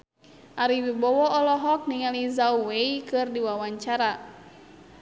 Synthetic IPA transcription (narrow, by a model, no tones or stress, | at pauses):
ʔaɾiwibɔwɔːlɔɦɔk̚niŋalizauweikɨrdiwawaɲt͡ʃaɾa